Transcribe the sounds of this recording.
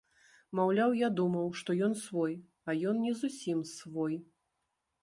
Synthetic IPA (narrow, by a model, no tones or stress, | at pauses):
mawlʲawjad̪umɐwʂt̪ɔjɔnsvɔj | ɐjɔnnʲɛzusʲimsvɔj